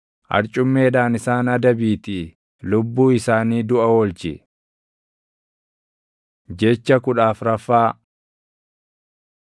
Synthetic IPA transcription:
ʔɐ̰ɾt͡ʃʼʊmːe̞ːᶑaːnɪsaːnɐd̪ɐbiːt̪ɪ | lʊbːuːɪsaːniːd̪ʊʔɐwɔlt͡ʃɪ̰ | d͡ʒɛt͡ʃːɐkʊᶑaːfɾɐfːaː

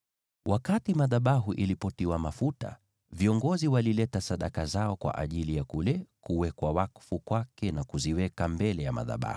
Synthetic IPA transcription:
wakatimaðaɓaɦuʔilipɔtiwamafuta̰ | viɔŋɡɔziwalilɛtasaɗakazaɔkwa̰ʔa̰ʄilijakulɛkuwɛkwawakfukwakɛnakuziwɛkambɛlɛjama̰ða̰ɓa̰hu̥

